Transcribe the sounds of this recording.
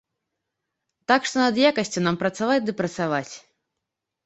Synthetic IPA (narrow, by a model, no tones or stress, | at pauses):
t̪akʂt̪ɔnɐd̪jakɐsʲt͡sʲunampɾɐt̪savad͡zʲd̪ɨpɾɐt̪savat͡sʲ